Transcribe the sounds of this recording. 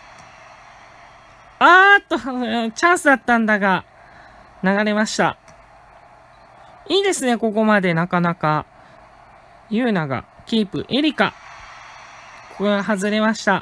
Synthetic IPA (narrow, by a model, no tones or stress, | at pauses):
at̪ːot͡ɕãɰ̃sɨd̪at̪ːãnd̪aɡa | naɡaɾe̞maɕi̥t̪a̰ | iːd̪e̞sɨne̞ko̞ko̞mad̪e̞nakanaka | jɯ̟ːnaɡa̰kʲiːpɯ̟̰ʔe̞ɾʲika | koaɦazɨɾe̞maɕi̥t̪a